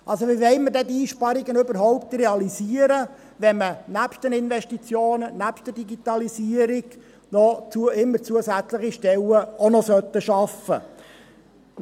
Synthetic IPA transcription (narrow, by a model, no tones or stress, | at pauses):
ʔɑlsoʋiʋɛɪmədɛdiiːʃpɑɾiɡənɵbəɾɦɔʊp̚t̪rɛɑliziəɾə | ʋɛmənæpʃtənɪnvɛʃtit͡sjoːnənæpʃtədiɡit̪ɑlisiːəɾiɡ | nɔt͡suɪmːəɾt͡suəsæt͡sləχiʃtɛləonɔsœt̪ːəʃɑfə̰